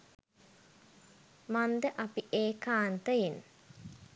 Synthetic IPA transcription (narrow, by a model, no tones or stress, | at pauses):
mand̪əʔapiʔeːkaːnt̪əjen